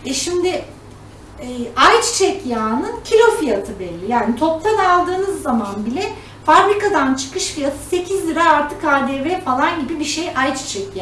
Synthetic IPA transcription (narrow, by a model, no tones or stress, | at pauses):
ɛʃimd̪ɪ | ɛːʔajt͡ʃt͡ʃʰɛcjaːnɯncʰilʲo̞fijat̪ʰɯbɛlʲːijaːnit̪ʰo̞p̚t̪ʰanalˠd̪ɯːnɯzːamanbilʲɛ | fabɾikad̪ant͡ʃʰɯ̥kɯʃfijat̪ʰɯ̥se̞cʰizlʲˠiɾaːɾt̪ʰɯkaːd̪eːvɛfalˠanɟibibiʃejʔajt͡ʃt͡ʃʰɛcja